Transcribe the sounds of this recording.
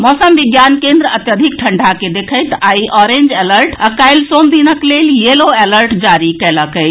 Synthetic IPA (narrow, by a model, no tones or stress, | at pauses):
mɔsəmʋiɡjankend̪ɾəət̪jəd̪ʱik̚ʈʰəɳɖʱaked̪ekʰəjt̪aiʔɔɾend͡ʒeləɾʈakajlsomd̪inəkleljeloeləɾʈd͡ʒaɾikɛləkəj